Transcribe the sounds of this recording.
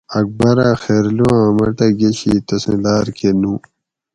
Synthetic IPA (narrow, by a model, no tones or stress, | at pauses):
ɐk̚bɐɾaːxeːɾluãːmɐʈɐɡeɕḭt̪ɐsḛ̃laːɾkenũː